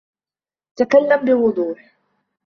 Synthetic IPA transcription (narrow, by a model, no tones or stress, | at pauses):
t̪akalːambɪwʊd̪ˤuːħ